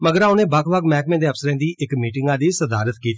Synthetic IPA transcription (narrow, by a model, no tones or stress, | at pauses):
məɡəɾaːõnẽːbakʰbaːkmɛːkmẽːd̪eːəpsəɾẽːnd̪iːʔɪkmiːʈɪŋɡãːd̪iːsəd̪a̰ːɾət̪kiːt̪i